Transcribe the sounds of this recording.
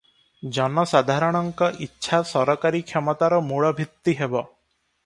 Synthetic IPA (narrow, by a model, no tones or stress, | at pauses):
d͡ʒɔnɔsad̪ʱaɾɔɽ̃ɔŋkɔʔitːʃʰasɔɾɔkaɾikʰjɔmɔt̪aɾɔmuɭɔbʱit̪ːiɦebɔ